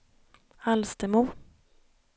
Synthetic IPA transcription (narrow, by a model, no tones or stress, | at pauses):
alst̪əmuː